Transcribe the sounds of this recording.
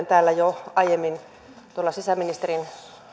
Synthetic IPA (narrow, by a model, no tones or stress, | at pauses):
nt̪æːlːæjoɑjemːin | t̪uolːɑsisæminist̪erin